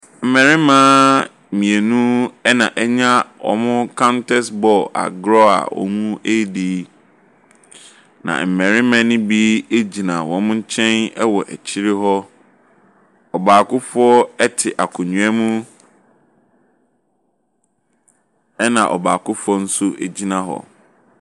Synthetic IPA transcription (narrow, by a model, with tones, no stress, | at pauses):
m̩˨mɛ˨ɾɪ̃˦mãː˦ | mĩ˨e˨nũ˦ɛ˦nã˨ʔɛ˦ɲã˦wɔ̰˨mʊ̃˦kʰã˦ntʰɛ˦sbɔ˨a̰˨ɡɾɔ˦a̰˨wɔ̰˨mũ˦ʔe˦di˨˦ | nã̰˨m̩˨mɛ̃˨ɾɪ̃˦mã˦nɪ̃˦bi˦e˦d͡ʑi˨nã˨wɔ̃˨mʊ̃˦ɲ̩˦t͡ɕʰɛ̃˦nɛ˦wɔ˨ʔæ˨t͡ɕʰi˦ɾɪ˦ɦɔ˦ | ɔ˨baː˨kʊ˦fʊ˦ɔ˦ɛ˦tʰɪ˨ʔa˨kʰʊ˨ɲũ˨ɛ˦mũ˦ | ɛ˦nã̰˨ʔɔ̰˨baː˨kʊ˦fʊ˦ɔ˦n̩˦sʊ˦e˨d͡ʑi˦nã˨ɦɔ̰˨